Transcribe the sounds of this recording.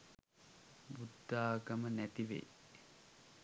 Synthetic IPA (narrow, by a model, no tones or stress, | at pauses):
bud̪ːaːɡəmənæt̪iʋḛj